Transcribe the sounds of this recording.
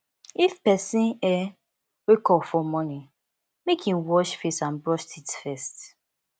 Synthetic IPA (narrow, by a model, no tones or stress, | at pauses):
ifpɛsĩnɛ | wekɔfɔmɔni | mekʰĩnwɔʃfestãnbɹɔʃtitfɛst